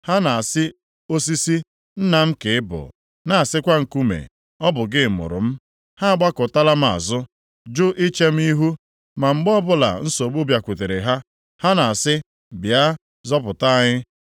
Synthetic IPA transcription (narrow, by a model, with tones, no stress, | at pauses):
ha˦na˨a˨sɪ˦ | o˦s̬i˦si˦ | n̩˦na˨m̩˦ke˨ɪ˦bʊ̰˨ | na˨a˨sɪ˦kʷa˦ŋ̩˨ku˦mḛ˨ | ɔ˦bʊ˨ɡɪ˦˨mʊ̰˨ɾʊ̰˨m̩˦ | ha˦a˨ɡ͡ba˦kʊ˨ta˦la˦m̩˦a̰˨zʊ˦ | d͡ʒʊ˦ʔi˦t͡ʃe˦m̩˦i˦ɦu˦ | ma˨ŋ͡m̩˦ɡ͡bɔ˦bʊ˦la̰˨n̩˦so˨ɡ͡bʊ˦bja˨kʷu˨te˨ɾe˨ɦa˦ | ha˦na˨a˨sɪ˦ | bja˦ | zɔ˦pʊ˨ta˦ɲɪ˦